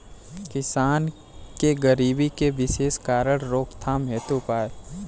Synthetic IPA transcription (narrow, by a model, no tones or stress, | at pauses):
kɪsaːn | keɡəɾiːbikeʋɪʃeːskaːɾəɽ̃ɾoːkt̪ʰaːmɛːt̪upaːe